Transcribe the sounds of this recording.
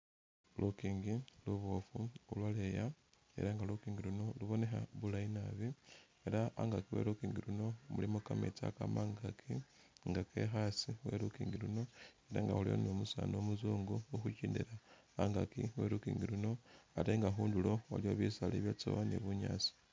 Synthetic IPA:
lʔukiːŋɡiluβofuulwaleja | ḛɾaŋɡalukiːŋɡiluno̞luβo̞ne̞xaβulainaβi | eɾaaŋɡakiwḛɾukiːŋɡiluno̞mulimukamḛt͡sa̰kamaːŋɡakʰi | ŋɡake̞xasiwe̞̰ɾukiːŋɡiluno̞eɾaŋɡa̰hulio̰nomusa̰nomuzuːŋɡuuxuciːndeɾaː | ŋɡakiwe̞̰ɾukiːŋɡiluno̞ateŋɡaxuːndulo̞wa̰lio̞βisaleβjat͡so̰βaneβuɲa̰ːt͡si̥

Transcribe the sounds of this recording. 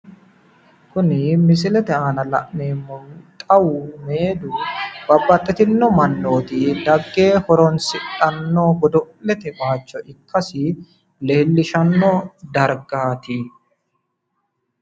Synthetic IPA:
kʊnɪmɪs̬ɪlɛt̪ɛaːnɐlɐ̰ʔneːmːɔt̪ʼɐwʊme̞ːd̪ʊb̥ɐbːɐt̪ʼːɛt̪ɪnːɔmɐnːo̞ːt̪ɪd̪ɐɡːe̞ːhɔɾɔnsɪᶑɐnːoɡɔd̪ɔ | ɛt̪ɛbaːt͡ʃːɔɪkʰːɐsɪ | leːlːɪʃɐnːɔd̪ɐɾɡaːt̪ɪ

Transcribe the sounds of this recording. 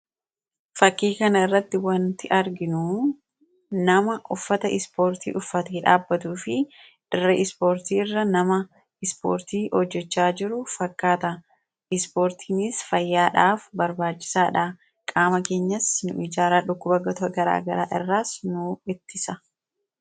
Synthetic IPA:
fɐkːiːkɐnɐɪrːɐt̪ːɪwɐnt̪ɪʔɐɾɡɪnu | nɐmɐʔʊfːɐt̪ɐʔɪspo̞ːɾt̪ḭːʔʊfːɐt̪iːᶑa̰ːbːɐt̪uːfɪ | ᶑ̥ɪɾɛʔɪspo̞ːɾt̪iːɪrːɐnɐmɐ | ɪspo̰ːɾt̪iːʔɔd͡ʒːɛt͡ʃːaːd͡ʒɪɾʊfɐkːaːt̪ɐ | ɪspo̞ːɾt̪ʰiːnɪsfɐjːaːᶑaːfbɐɾbaːt͡ʃːɪ̥saːᶑaː | kʼaːmɐke̞ːɲːɐsnʊ̰ʔɪd͡ʒaːɾaːᶑʊkːʊbɐɡɐt̪ɐɡɐɾa̰ːɡɐɾa̰ːʔɪ̰rːaːsnʊɪt̪ːɪsɐ

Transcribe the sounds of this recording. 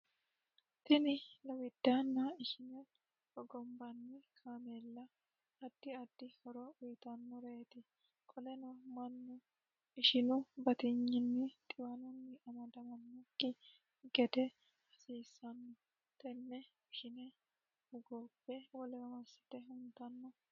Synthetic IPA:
t̪ɪnɪlɐwɪd̪̥ːaːnːɐɪʃɪnɛ | hɔɡɔmbɐnːɪkʰaːmeːlːɐ | ɐd̪̥ːɪɐd̪̥ːɪhɔɾɔʔʊjt̪ɐnːɔɾeːt̪ɪ | kʼɔlɛnɔmɐnːʊ | ɪʃɪnʊbɐt̪ɪɲːɪnːɪt̪ʼɪwɐnʊnːɪʔɐmɐd̪ɐmɐnːʊkʼːɪ | ɡɛd̪ɛ | ɐsiːsːɐnːɔ | t̪ɛnːɛ | ɪʃɪnɛ | ʊɡɔbːɛwɔlɛwɐmɐsɪ̥t̪ɛhʊnt̪ɐnːɔ

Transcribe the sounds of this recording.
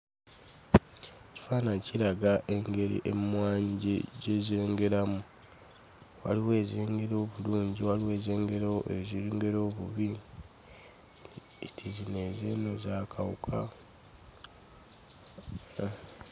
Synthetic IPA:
ci̥faːnaciɾaɡaʔe̞ŋɡe̞ɾḭʔḛmmwaːɲɟiɟezeːŋɡe̞ɾamu | wa̰liwe̞ːzeːŋɡe̞ɾo̞ːβuluːɲɟiwaliwe̞ːze̞ːŋɡe̞ɾewoʔeziɾiːŋɡe̞ɾo̞ːβuβi | tʰizine̞zeːnozakʰawukʰa

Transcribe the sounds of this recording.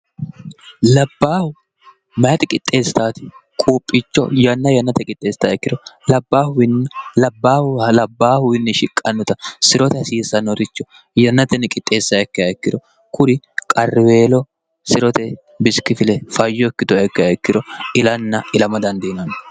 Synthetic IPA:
lɐbːaːhʊ | mɐjɐt̪ɛkʼɪt̪ʼːe̞ːst̪aːt̪ɪ̥kʼuːpʼːɪt͡ʃːɔ̰jɐnːɐjɐnːɐt̪ɛkʼɪt̪ʼːe̞ːst̪aɛkːɪd̪ɔlɐbːaːhʊwɪnːlɐbːaːlɐbːaːhʊwɪnːɪʃɪkʼːɐnːʊt̪ɐsɪɾɔt̪ɛsiːsɐnɔɾɪt͡ʃːɔ | jɐnːɐt̪ɛnɛkʼɪt̪ʼːe̞ːsːɐɛkːɐjaɛkːɪd̪ɔ | kʰʊd̪ɪ | kʼɐrːɪwe̞ːlɔ | sɪɾɔt̪ɛ | bɪskːɪfɪlɛfɐjːɔɛkːɪt̪ɔɐkːɪaɛkːɪd̪ɔɪlɐnːɐɪlɐmɐd̪ɐnd̪iːnɐn

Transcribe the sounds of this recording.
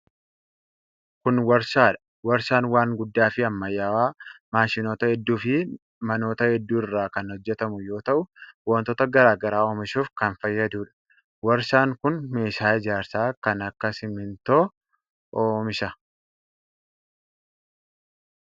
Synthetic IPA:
kʊnwɐɾʃaːᶑɐ̥ | wɐɾʃaːnwaːŋɡʊd̪ːaːfɪɐmːɐjːaːwaːmaːʃɪno̞ːt̪ɐhɛd̪ːuːfɪ | mɐno̞ːt̪ɐhɛd̪ːuːɪrːaːkɐnhɔd͡ʒːɛt̪ɐmʊjo̞ːt̪ɐʔʊwɐnt̪ɔːt̪ɐɡɐɾaːɡɐɾaːoːmɪʃuːfkɐnfɐjːɐd̪uːᶑɐ̥ | wɐɾʃaːŋkʊnme̞ːʃaːɪd͡ʒaːɾsaːkɐnɐkːɐsɪmɪnt̪o | ʔoːmɪʃɐ

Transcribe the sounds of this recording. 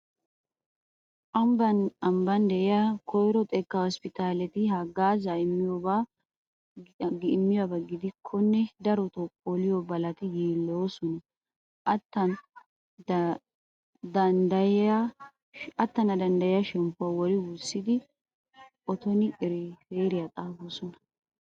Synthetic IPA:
ɐmbɐnɐmbɐnd̪ɛʔɪjakɔjɾɔt̪ʼɛkːɐhɔspɪt̪aːlɛt̪ɪhɐɡːaːzɐɪmːɪjobaː | ɡɪʔɪmːɪjabɐɡɪd̪ɪkʰːɔnːɛd̪ɐɾɔt̪ɔpʼːolɪjɔbɐlɐt̪ɪjiːlːoːsɔnɐ | ʔɐt̪ːɐn | d̪ | d̪ɐnd̪ɐjɪja | ɐt̪ːɐnɐd̪ɐnd̪ɐjɪjɐʃɛmpːʊawɔɾɪwʊsːɪd̪ɪ | ʔɔt̪ɔnɪʔɪɾɪfeːɾɪjat̪ʼaːboːsɔnɐ

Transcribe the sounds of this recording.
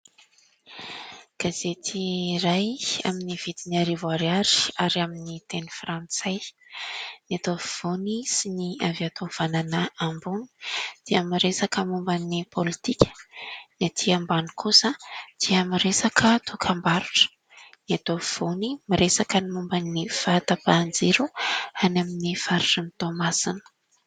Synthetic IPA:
ɡ̥azet̪ʰiɾaja̰miniv̥id̪iniaɾivwaɾaɾi̥aɾaminit̪enifrant͡sa | niat̪ovv̥onisiniaviat̪ov̥ananəambuni̥d̪̥iamiɾesakəmumbanipʰolit̪ikʲə̥nat̪ʰiambanikʰusəd̪̥iəmiɾesakʰət̪ʰukʰambaɾuʈ͡ʂə̥ | niat̪ov̥onimiɾesakənimumbanːifat̪apand͡ziɾuanaminifaɾrint̪omasinə̥

